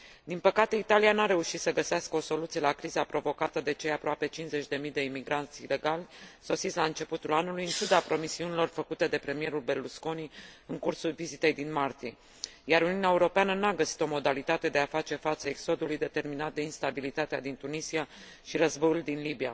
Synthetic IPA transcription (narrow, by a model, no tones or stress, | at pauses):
d̪inpəkat̪e̞it̪alijanaɾe̞uʃit̪səɡəseaskəo̞so̞lut̪sielakɾizəapɾo̞vo̞kat̪əd̪e̞t͡ʃe̞japɾoape̞t͡ʃinze̞t͡ʃʲd̪e̞mijd̪e̞imiɡɾant̪sʲile̞ɡalʲso̞sit̪sʲlaɨnt͡ʃe̞put̪ulanulujɨnt͡ʃud̪apɾo̞misiunilo̞rfəkut̪e̞d̪e̞pɾe̞mije̞ɾulbe̞rlusko̞niɨŋkursulvizit̪e̞jd̪inmart̪ije | jaɾuniuuneaːeuɾo̞peanənaɡəsi̥t̪o̞mo̞d̪alit̪at̪e̞d̪e̞afat͡ʃe̞fat̪səekso̞d̪ulujd̪e̞t̪e̞rminat̪̚d̪e̞inst̪abilit̪at̪ead̪int̪unisija | ʃiɾəzbo̞juld̪inlibija̰